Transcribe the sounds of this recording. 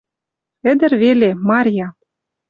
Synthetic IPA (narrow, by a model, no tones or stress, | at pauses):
ɘ̆d̪ɘ̆rβelemɑɾʲjɑ